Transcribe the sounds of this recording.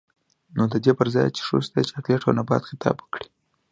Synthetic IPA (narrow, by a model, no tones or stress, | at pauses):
nod̪əd̪epəɾzɑjt͡ʃe̥ʂo̰sd̪et͡ʃeak̪leʈʰa̰nabɑ̰t̪xɪt̪ʰɑ̰bwəkɽi̥